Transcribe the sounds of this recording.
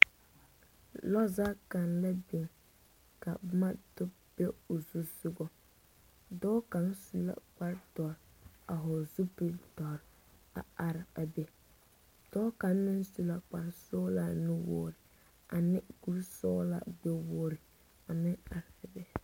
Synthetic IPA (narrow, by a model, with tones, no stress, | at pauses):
lɔ˦za˦ka˨nla˦bi˨ŋ | ka̰˨ma˦dʊ˦ | b̥e˦o˨zu˦zʊ˦ɡɔ˦ | dɔː˦ka˨˦ŋsu˦la̰˦˨k͡pa˦ɾtɔ˨ɾ | a˨ɦʊ˨zu˦pɪ˨tɔ˨ɾ | a̰˨a˨ɾɪ˨a˨be˨ | d̥ɔː˦ka˨˦mɪ˦nsu˦la˨k͡pa˨ɾsɔː˦la˨nɪ˦wɔ̰ː˦ɾɪ˨ | a˨nɪ˦ɡ̥u˦ɾsɔː˦la̰˨ɡ͡be˦woː˦ɾɪ˨ | a˨mɪ˦ŋa˨ɾɪ˨bɛ˦